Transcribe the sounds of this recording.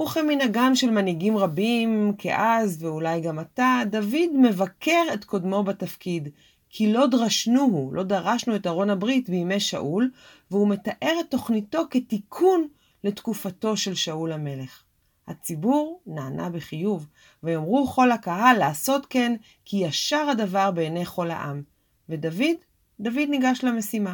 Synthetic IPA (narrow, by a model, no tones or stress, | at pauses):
uχeminaɡanʃe̞lmaniɡimʁabimkʰeʔazveulajɡamatadavidme̞vakʰe̞ʁe̞tko̞dmo̞batafkid | kʰilo̞dʁaʃnuɦulʔo̞daʁaʃnue̞taʁo̞nabʁitbiːme̞jʃa̰ʔul | veume̞taʔe̞ʁetːo̞χnito̞ketikʰun | le̞tkufato̞ʃe̞lʃaulhame̞le̞χ | hat͡sibuʁnaːnʔa̰beχijuv | vejomʁuχo̞lakaɦalːaːso̞tke̞n | kijaʃaʁadavaʁbeːnejχo̞lha̰ʔa̰m | vedavidː | avidniɡaʃlame̞sima